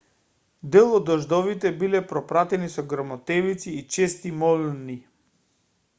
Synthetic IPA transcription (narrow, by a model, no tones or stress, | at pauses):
d̪ɛlˠɔd̪ɔʒd̪ɔvit̪ɛbilɛpɾɔpɾat̪ɛnisɔɡɾamɔt̪ɛvit̪siːt͡ʃɛst̪imɔlni